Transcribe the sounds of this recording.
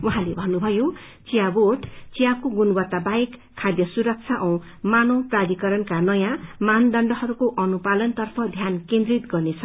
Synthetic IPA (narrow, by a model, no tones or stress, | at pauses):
wuɦãlebʱʌnːubʱʌjo | t͡sijaboʈt͡sijakoɡunwʌt̪ːabajkʰːad̪jʌsuɾʌk̚t͡sʰaʔʌ̃w̃ | manõprad̪ikʌɾʌnkanʌjãmand̪ʌɳɖʌɦʌɾukoʔʌnupalʌnt̪ʌrpʰʌd̪ʱjankẽnd̪rit̪ɡʌrnet͡sʰʌ